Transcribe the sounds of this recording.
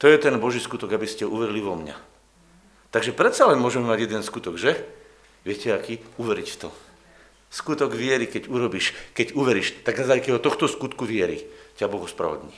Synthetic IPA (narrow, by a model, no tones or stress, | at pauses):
t̪ɔjɛt̪ɛnbɔʒiːskut̪ɔɡabiscɛɔuʋɛɾiliʋɔmɲa̰ | t̪aɡʒɛpɾɛt̪salɛnmʊɔʒɛmɛmaɟjɛd̪ɛnskut̪ɔɡʒɛ | ʋɪɛcɛakiːuʋɛɾict̪ɔ | skut̪ɔɡʋɪɛɾikɛɟuɾɔbiʃkɛɟuʋɛɾiʃt̪aɡnazaːjkɛɔt̪ɔxt̪ɔskut̪kuʋɪɛɾḭcabɔɣɔspɾa̰ʋɔ̰d̪ɲiː